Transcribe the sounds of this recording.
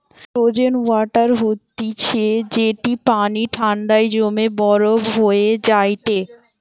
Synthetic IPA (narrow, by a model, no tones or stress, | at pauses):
pɾod͡ʑenwaʈaɾɦot̪ːit͡ɕʰed͡ʑeʈipaniʈʰaɳɖajd͡ʑomebɔɾobɦoed͡ʑajʈ̪e